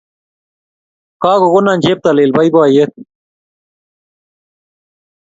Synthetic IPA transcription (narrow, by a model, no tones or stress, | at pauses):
kaːɣoɣonanʲd͡ʑep̚t̪aleːlbɐjbaːjet̪̚